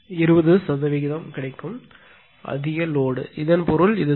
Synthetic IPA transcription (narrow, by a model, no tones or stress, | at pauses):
ɪɾɯbɐðɯsɐðɐʋɪɣɪðɐmkɪɽɐɪkːɯm | ʔɐ̰ðɪjɐloːɽɯ̰ʔɪðɐnpɔɾɯlɪðɯ